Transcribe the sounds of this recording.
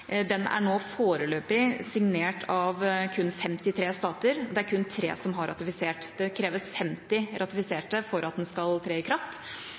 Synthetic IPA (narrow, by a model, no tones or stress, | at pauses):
d̪ɛnæ̰ɳoːfoːɾəløːpɪsɪŋneːʈʰɑʋkʰʉnːfɛmt̪ɪt̪ʰɾeːst̪ɑːt̪əɾɔd̪ɛæɾkʰʉnːt̪ʰɾḛːsɔmɦɑɾʔɑ̰t̪ɪfɪseːʈd̪̥ɛkʰɾeːʋəsfɛmt̪ɪɾʔɑt̪ɪfɪseːʈəfɔɾʔɑt̪̚d̪ɛnskɑlt̪ʰɾeːɪkʰɾɑft̪